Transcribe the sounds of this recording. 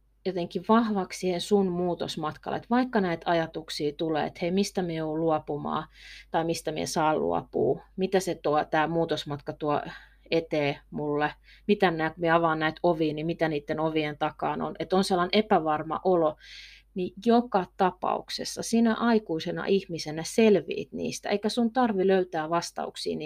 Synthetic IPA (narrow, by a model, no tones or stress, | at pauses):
jot̪eŋkiʋʋɑhʋɑkssihensunmuːt̪o̰smɑt̪kɑ̰lːḛt̪ʋɑikːɑnæit̪ɑjɑt̪uksiːt̪ulḛːḛt̪heimist̪æmieoːluɑpumɑ̰ːt̪ɑimist̪æmiḛsɑːllṵɑ̰pṵːmit̪æset̪uɑt̪æːmuːt̪osmɑt̪kɑt̪uɑ | et̪eːmulːe | mit̪ænnæːkumieɑʋɑːnnæit̪oʋiːnimit̪æniːt̪ːenoʋient̪ɑkɑːno̰net̪onselːɑˑinepæʋɑrmɑ̰ʔolo | nijokɑt̪ɑpɑ̰uksḛsːɑsiːnæʔɑikuisenɑ̰ʔihmisenæselʋḭːt̪nḭːst̪æeikæsunt̪ɑrʋiløyt̪æːʋɑst̪ɑ̰uksḭːni